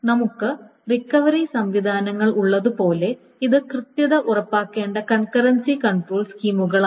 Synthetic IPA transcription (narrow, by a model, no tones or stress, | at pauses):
nɐmukːɨ | rikːɐʋɐɾisɐmʋid̪ʱaːnɐŋːɐɭuɭːɐðupo̞ːle̞ | iðɨkrɨt̪jɐðɐʔurɐpːaːkːe̞ːɳɖɐkɐnkɐɾɐnsikɐɳʈroːɭskiːmuɣɐɭa